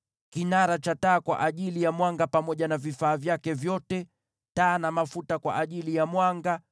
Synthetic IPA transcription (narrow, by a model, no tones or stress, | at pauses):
kinaɾat͡ʃataːkwa̰ʔaʄilijamwaŋɡapamɔʄanavifaːvjakɛvjɔtɛ | taːnamafutakwa̰ʔaʄilijamwaŋɡa